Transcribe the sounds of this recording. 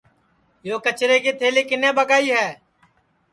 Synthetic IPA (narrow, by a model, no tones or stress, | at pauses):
joːkət͡ʃɾeːkiːt̪ʰeːliːkɪneːbəkaːiːɦɛː